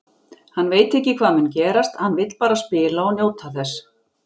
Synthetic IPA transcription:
hanːveːjt̪ɛhcːɪkʰv̥aːðmʏncɛːɾast̪hanːvɪjt̪lpaːɾaspɪːlaɔɣnjoːwt̪ʰaθɛs

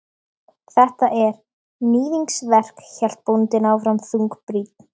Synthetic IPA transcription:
θɛht̪aʔɛɾ̥ | niːðiŋksvɛr̥kçɛl̥t̪̚punt̪ɪnawfɾamθuŋkpɾiːt̪̚n̥

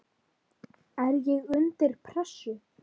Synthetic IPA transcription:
ɛɾjɛɣʏnt̪ɪɾ̥pʰɾɛsʏ

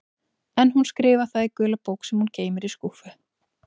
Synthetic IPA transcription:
ɛnɦunskɾɪːvaθaðikœːlapoːwksɛmhuncʰeːjmɪɾiskufʏ

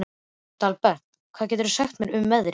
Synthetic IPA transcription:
t̪alpɛt̪ | kʰvaðcɛːt̪ʏɾʏsaxt̪mɛɾʏmːɛðɾ

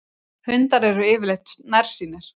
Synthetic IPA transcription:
hʏnt̪aɾɛɾʏɪːvɪlejht̪snaɾ̥siːnɪɾ̥

